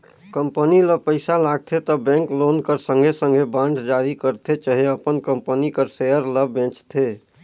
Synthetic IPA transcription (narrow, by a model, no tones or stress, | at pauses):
kəmpəniləpəɪsalaːɡ̚t̪ʰet̪ɔbɛ̃ːŋkloːnkəɾsə̃ŋɡʱesə̃ŋɡʱebãːɳɖd͡ʒaːɾikəɾt̪ʰet͡ʃaɦeəpənkəmpənikəɾseəɾləbẽːt͡ʃt̪ʰe